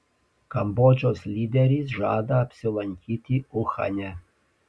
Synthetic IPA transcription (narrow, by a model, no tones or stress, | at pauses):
kɐmbɔd͡ʒʲɔslʲiːd̪ʲɛɾʲiːs̬ʒɑːd̪ɐːpʲsʲɪlˠɐnʲkʲit̪ʲiʊxɐ̰nʲɛ